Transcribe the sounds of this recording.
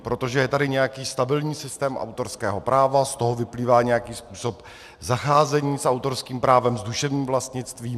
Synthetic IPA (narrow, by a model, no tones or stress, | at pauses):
pɾot̪o̞ʒɛjɛt̪adɪɲɛjakiːst̪abɪlɲiːsɪst̪ɛːmʔa̰wt̪o̞ɾskɛːɦo̞pɾʔaːvast̪o̞ɦovɪpliːvaːɲɛjakiːspuːso̞p | zaxaːzɛɲiːsʔawt̪o̞ɾskiːmpɾaːvɛmzduʃɛvɲiːmvlast̪ɲɪt͡st̪viː